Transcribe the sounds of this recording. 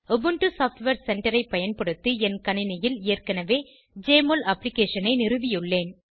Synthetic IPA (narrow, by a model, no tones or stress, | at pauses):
ɔbɯɳʈɯsaːfʈʋeːɾsɛɳʈɐɾɐɪpːɐjɐnpɐɽɯt̪ːɯɛnkɐnɪnɐjɪlɪːrkɐnɐʋeː | d͡ʒeːmolɐplɪkeːʂɐnɐɪnɪrɯʋɪjɯɭːeːn